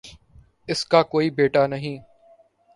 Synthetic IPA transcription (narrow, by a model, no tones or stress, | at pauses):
ɪskaːkoːiːbeːʈaːnəɦĩː